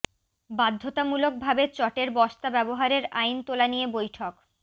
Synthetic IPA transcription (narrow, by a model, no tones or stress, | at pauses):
bad̪ʱːot̪amulok̚bʱabet͡ɕɔʈeɾbɔʃt̪abɛboɦaɾeɾajnt̪olanijebojʈʰok